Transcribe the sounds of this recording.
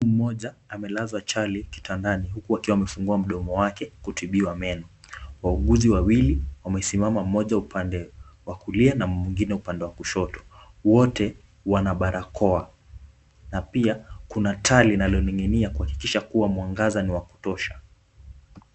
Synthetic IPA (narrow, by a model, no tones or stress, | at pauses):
um̩mɔʄaːmɛlazwat͡ʃaliki̥tʰandaniɦukuakiwamɛfuŋɡuam̩ɗɔmɔwakɛkutʰiɓiwamɛnɔwauɠuziwawiliwamɛsimamam̩mɔʄaupandɛwakulianamwiŋɡinɛupandɛwakuʃɔtɔ̥ | wɔtɛ | wanaɓaɾʔakʰɔa | napiakunatʰalinalɔniŋɛniakuhaki̥kiʃakuwamwaŋɡazaniwaku̥tɔʃa